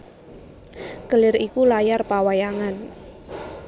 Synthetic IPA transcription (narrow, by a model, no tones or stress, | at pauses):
kəlɪrikulajarpawajaŋan